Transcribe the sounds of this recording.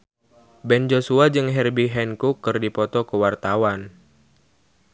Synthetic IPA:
bɛnd͡ʒosuad͡ʒɨŋɦɛrbiɦɛnkukːɨrdipɔt̪ɔkəwart̪awan

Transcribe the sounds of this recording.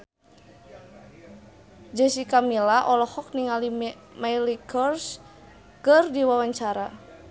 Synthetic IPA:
d͡ʒəsikamilaʔɔlɔhɔk̚niŋali | majlikʰɔrs | kɨrdiwawaɲt͡ʃaɾa

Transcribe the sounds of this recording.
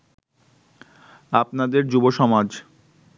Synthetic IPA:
apnad̪eɾd͡ʑuboʃɔmad͡ʑ

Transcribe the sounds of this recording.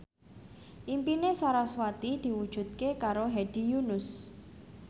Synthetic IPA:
ʔimpinesaɾaswat̪id̪̥i̤wud̥ʒ̥ṳt̪̚kekaɾoɦeɖ̥i̤junʊs

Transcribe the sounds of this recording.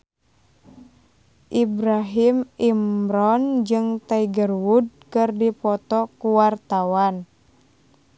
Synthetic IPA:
ʔibɾaɦimimɾɔnd͡ʒɨŋt̪aiɡərwud̚kɨrdipɔt̪ɔkuwart̪awan

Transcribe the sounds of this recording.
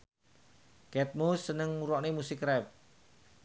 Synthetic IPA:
kɛt̪̚musənəŋuɾɔʔnemusɪkrɛp̚

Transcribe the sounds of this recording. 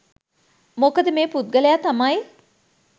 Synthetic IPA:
mokəd̪əmeːput̪̚ɡəlejat̪amaj

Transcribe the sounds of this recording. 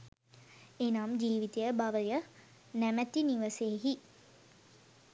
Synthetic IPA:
enaːmd͡ʒiːʋit̪ejəbaʋəjə | næmæt̪iniʋəseːɦi

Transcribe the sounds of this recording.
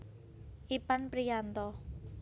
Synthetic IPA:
ʔipanpɾijant̪ɔ

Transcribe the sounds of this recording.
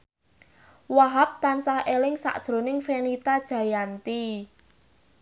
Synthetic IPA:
waɦap̚t̪ansahelɪŋsa̰ʔd̥ʒ̥ɾo̤nɪŋfenit̪ad̥ʒ̥ä̤jant̪i

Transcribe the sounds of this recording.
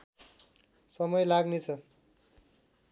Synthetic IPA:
sʌmʌjlaɡnet͡sʰʌ

